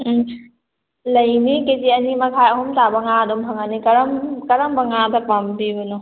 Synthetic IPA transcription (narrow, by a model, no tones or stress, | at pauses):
lɐjniketiɐnimɐkʰajɐɦumtabɐŋadɔmpʰaŋanikɐɾamkɐɾambɐŋadapambibɯnu